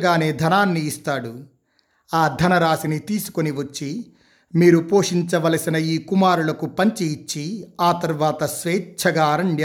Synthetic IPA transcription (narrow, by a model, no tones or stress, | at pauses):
ɡaːne̞ːd̪ʱɐnaːnːiːst̪aːɽu | aːd̪ʱɐnɐɾaːsinit̪iːsu̥koniʋɐt͡ʃːi | miːɾupo̞ːʂiɲt͡ʃɐʋɐlɐsinɐjiːkumaːɾulɐkupɐɲt͡ʃiːt͡ʃːiaːt̪ɐɾʋaːt̪ɐsʋeːt͡ʃʰɐɡaːɾɐɳɖj